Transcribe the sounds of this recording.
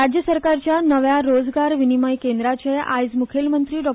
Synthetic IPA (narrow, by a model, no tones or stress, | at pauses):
ad͡ʑjəsəɾkaɾt͡ɕjanəʋjaɾod͡zɡaɾʋinimajkend̪ɾat͡ɕeʔajd͡zmukʰelmənt̪ɾiːɖɔk